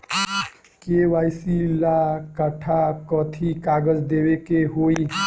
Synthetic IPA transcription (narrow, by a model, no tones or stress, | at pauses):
keʋajsilakəʈʰakɔt̪ʰikaɡəd͡ʒd̪ewekeɦoi